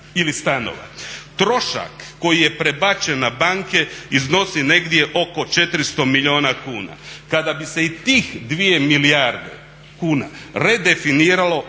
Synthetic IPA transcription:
ilist̪ano̰ʋa̰t̪ɾo̞ʃa̰kːo̞jije̞pɾe̞bat͡ʃenabaŋke̞izno̞sine̞ɡd̪je̞ʔo̞ko̞t͡ʃe̞t̪ɾist̪o̞miʎio̞ːnakuːna̰kad̪abise̞it̪iːxd̪ʋije̞milijaɾd̪ḛ | kuːna̰ɾe̞d̪e̞finiːɾalo̞

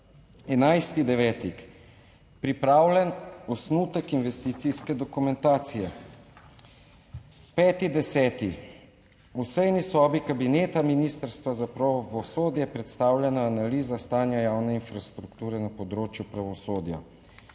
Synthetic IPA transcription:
ɛnajst̪id̪ɛʋɛːt̪ik | pɾipɾaːwlʲɛnɔsnut̪əkinʋɛst̪it̪siskɛd̪ɔkumɛnt̪aːt̪sijɛ | pɛːt̪id̪ɛsɛːt̪i | usɛjnisɔːbikabineːt̪aminiːst̪əɾst̪ʋazapɾaʋɔsoːd̪jɛpɾɛt̪st̪aːwlʲjʲɛnaːnaliːzast̪aːnjajaːwnɛinfɾast̪ɾukt̪uːɾɛnapɔd̪ɾoːt͡ʃjupɾaʋɔsoːd̪ja̰

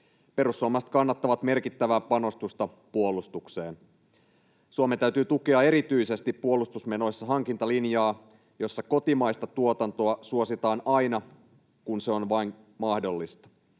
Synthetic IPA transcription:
pe̞ɾusːuɑmɑst̪kɑnːɑt̪ːɑʋɑt̪me̞rkit̪ːæʋæːpɑno̞st̪ust̪ɑ | puolust̪ukse̞ːn | suɑmet̪æyt̪yːt̪ukeɑe̞ɾit̪yise̞st̪ipːuo̞lust̪usmeno̞jsːɑɦɑŋkint̪ɑlinjɑː | jo̞sːɑko̞t̪imɑjst̪ɑt̪uot̪ɑnt̪o̞ɑsuo̞sit̪ɑːnɑjnɑ | kunseo̞nʋɑin | mɑhdo̞lːist̪ɑ̥

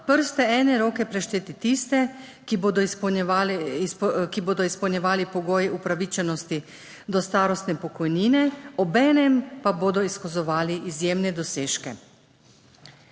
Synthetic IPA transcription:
pəɾst̪ɛɛːnɛɾoːkɛpɾɛʃt̪eːt̪it̪ist̪ɛ | kiboːd̪ɔna | kiboːd̪ɔispəwnʲɲɛʋaːlipɔɡoːjɛʔupɾaʋiːt͡ʃɛnɔst̪i | d̪ɔst̪aːɾɔst̪nɛpɔkɔjniːnɛɔbɛːnɛmpaboːd̪ɔiskɔzɔʋaːliʔːzjeːmnɛd̪ɔseːʃkɛ̰

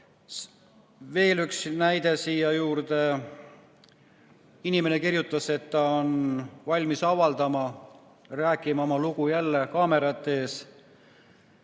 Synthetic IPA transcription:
ve̞ːlyksnæjd̪e̞sijɑjuːɾd̪e̞ | inime̞ne̞kirjut̪ˑːɑse̞t̪ːɑo̞nvɑlʲmisɑvɑld̪ɑmɑ | ræːkːˑimɑo̞mɑlukujælːe̞kɑːme̞ɾɑt̪ːˑe̞ːs

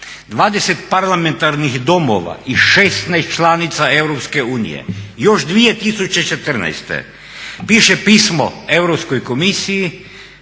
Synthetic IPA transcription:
d̪ʋaːd̪eset̪̚paɾlˠament̪aɾnixd̪omo̰ʋa̰ʔiʃest̪najst̪t͡ʃlˠaːnit̪saeʋɾopskeuːnḭjḛjoʒd̪ʋijet̪isut͡ʃet͡ʃet̪ər̩na̰jst̪ḛ | piːʃepiːsmo̰ewɾopskojkomisiji

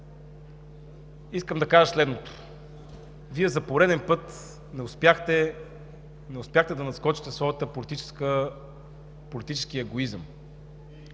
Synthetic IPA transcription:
iskəmd̪ɐkaʒəslɛd̪not̪ʊ̥ | viɛzɐpoɾɛd̪ɛnpɤt̪ | nɛʊspjaxt̪ɛ | nɛʊspʲjaxt̪ɛd̪ɐnɐskɔt͡ʃi̥t̪ɛsvɔjət̪əpolit̪it͡ʃɛ̥skə | polit̪it͡ʃɛ̥skiəɛɡoizəm

